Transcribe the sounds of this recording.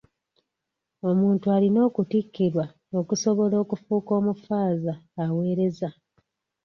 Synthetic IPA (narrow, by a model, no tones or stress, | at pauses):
o̞muːntualino̞ːkutikːiɾwa | o̞kuso̞βo̞lo̞ːkufuːko̞ːmufaːzaːwe̞ːɾe̞za